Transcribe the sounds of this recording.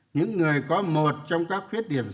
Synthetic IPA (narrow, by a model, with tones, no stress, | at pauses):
ɲɨ̰˧˥ŋːɨ˨˩əjkɔ˨˦mo˨˩t̚t͡ɕɔ˧wŋ͡mkaː˦˥k̚xwi˦˥ət̚ɗi˧˩əm